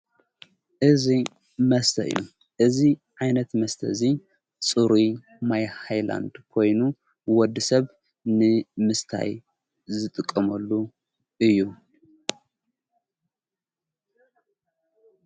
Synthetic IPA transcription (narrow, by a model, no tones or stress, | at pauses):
ʔɨzi | mɐst̪ʰɐɨ̰jːṵ | ʔɨziʕajnɐt̪mɐst̪ʰɐ̰ɨzi | sʼɨɾi | majhajla̰nd̪kʰo̞jnu | wɔd̪ːɨsɐβ | nɨmɨst̪ʰa̰j | zɨt̪ʼɨkʼːɐmɐlːu | ʔɨjːu